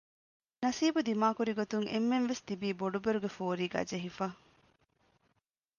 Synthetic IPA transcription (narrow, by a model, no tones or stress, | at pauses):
nɐsiːbud̪imaːkuɾiɡot̪uŋʔemːenʋest̪ibiːboɖubeɾuɡefoːɾiːɡæ̰ːd͡ʒeɦifaː